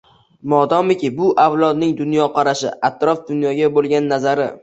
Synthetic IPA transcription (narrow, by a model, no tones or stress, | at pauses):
mɒd̪ɒmɪkʲɪbʊʔawlˠɒd̪nɪŋd̪ʊnjɒqʰɑɾaʃɪ̰ʔat̪ɾɒfd̪ʊnjɒɡʲabolˠɡʲanːazaɾɪ